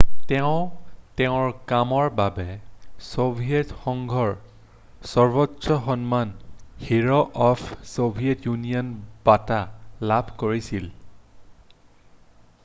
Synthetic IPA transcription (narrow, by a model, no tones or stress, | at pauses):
tɛʊ̃tɛʊ̃ɹkamɔɹbabɛsobʱijɛtxɔŋɡʱɔɹ | sɔɹbɔtsɔxɔnmanhiɹɔʔɔpʰsobʱijɛtjunijɔnb̥atalabʱkoɹisil